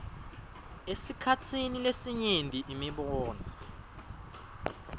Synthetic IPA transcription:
esikʰat͡sʰinilesiɲendʱʼiʔimiɓɔːna

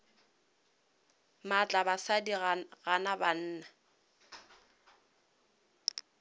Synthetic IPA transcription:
mat͡ɬʼabasadiɣanaban̩ːna

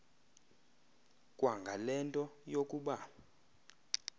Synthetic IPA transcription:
kʼwaŋɡʱalɛntʼɔjokʼuɓa

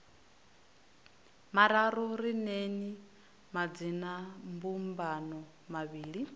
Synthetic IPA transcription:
maɾaɾɔɾineni | mad͡zinambumbanɔ | maβiːɺi

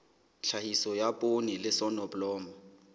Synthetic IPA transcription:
t͡ɬʰahisɔjapʼonilɪsɔnɔblɔːma

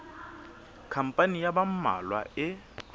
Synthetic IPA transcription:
kʰam̩pʼanijabam̩ma̰lwa̰ɪ

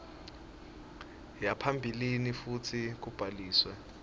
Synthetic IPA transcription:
japʰambʱilinifut͡sʰik̬ub̥ʱaliːswɛ

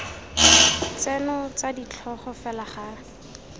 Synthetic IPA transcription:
t͡sɛnɔt͡sadit͡ɬʰɔχɔfɛlaχaː

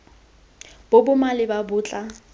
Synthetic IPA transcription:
b̥obʊmalɪbabʊːt͡ɬʼa

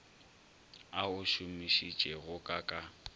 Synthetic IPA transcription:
aʊʃʊmiʃit͡ʃʼɛɣʊkʼakʼa

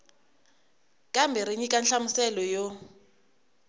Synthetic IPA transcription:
kʼambɛɾeɲikʼanɬamʊsɛlɔjo

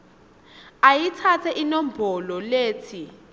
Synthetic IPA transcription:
ajit͡sʰat͡sʰɛʔinɔmbʱɔlɔleːt͡sʰi

